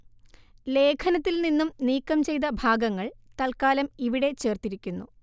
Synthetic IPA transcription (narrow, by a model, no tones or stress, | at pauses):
le̞ːkʰɐnɐt̪ːilninːumniːkːɐmt͡ɕe̞jt̪̬ɐbʱaːɡɐŋːɐɭt̪ɐlkaːlɐmiʋiɽe̞t͡ɕe̞ːrt̪iɾikʲːunːṵ